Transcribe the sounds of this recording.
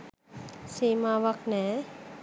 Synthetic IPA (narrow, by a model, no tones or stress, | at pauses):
siːmaʋaknɛː